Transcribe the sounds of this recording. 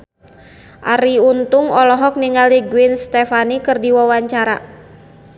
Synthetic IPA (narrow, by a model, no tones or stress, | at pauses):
ʔa̰ɾiunt̪uŋɔlɔɦɔk̚niŋaliɡuinst̪ɛfanikɨrdiwawaɲt͡ʃaɾa̰